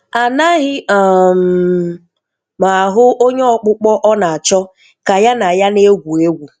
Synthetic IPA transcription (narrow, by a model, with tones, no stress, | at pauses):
a˨na˦ɦɪ˦a˨m̩˨ | ma˨ɦʊ˦o˦ɲe˦ɔ˨k͡pʊ˦k͡pɔ˦ʔɔ˦na˨a˨t͡ʃɔ˦ | ka˨ja˦na˨ja˦ne˦ɡʷu˨e˦ɡʷu˨